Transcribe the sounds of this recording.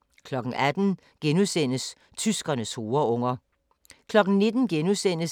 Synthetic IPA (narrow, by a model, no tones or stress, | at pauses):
kʰlɒ̽ɡ̥n̩ʔæd̥n̩ | ɡ̥enusen̰əs | t͡sʰysɡ̥ɐnəsho̝ːɐɔ̽ŋ̰ɐ | kʰlɒ̽ɡ̥n̩ne̝d̥n̩ɡ̥enusen̰əs